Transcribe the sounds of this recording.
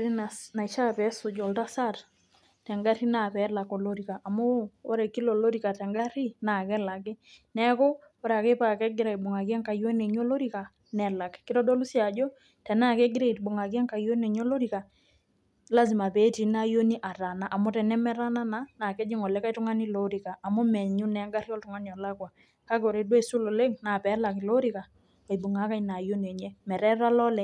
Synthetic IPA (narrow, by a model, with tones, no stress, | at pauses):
ɾi˦nana˨i˨ʃa˦pɛ˨˦sʊ˨d͡ʒɔ˨lta˦sa˦˨t | tɛ˨ŋɡa˦ɾi˦na˨pɛ˨˦la˨ko˨lo˦ɾi˨ka˨ʔa˨moː˦ɾɛ˨ki˦lo˨lo˦ɾi˨ka˨tɛ˨ŋɡa˦ɾi˦na˨kɛ˦la˨kɪ˦nɛ˦kɔ˦ | ɔ˦ɾa˨ke˦pa˦kɛ˦ɡɪ˦ɾa˨i˨bʊ˨ŋa˨kjɛ˦ŋka˨jo˦ne˨ɲo˦lo˦ɾi˦ka˨ | nɛ˨la˨kkɪ˦ɾɔ˦dɔ˦lu˦sja˨d͡ʒɔ˦ | tɛ˨na˦˨ke˦ɡɪ˦ɾe˦i˨tbʊ˨ŋa˨k̬jɛ˦ŋka˨jo˦ne˨ɲo˦lo˦ɾi˨ka˨ | la˦zi˨ma˨pe˨˦ti˨na˦jo˦ni˦ʔa˨ta˨na˨ʔa˨mʊ˦tɛ˨nɛ˦mɛ˦ɾa˦na˦na˨na˨kɛ˦d͡ʒɪ˦ŋɔ˨lɛ˦ka˦jtʊ˦ŋa˦ni˦lo˦ɾi˨kaː˨mʊ˦mɛ˨ɲʊ˦nɛ˨˦ŋɡa˦ɾjɔ˦ltʊ˦ŋa˦ni˨ɔ˨la˦kwa˨ | ka˦ko˨ɾe˨dwe˦˨su˦lo˨le˦ŋna˨pɛ˨˦la˨ki˨lo˦ɾi˦ka˨ | a˨bʊ˨ŋa˨˦ka˦jna˨jo˦ne˨ɲɛ˦mɛ˨ɾɛ˦ɾa˦lɔ˦lɛ˨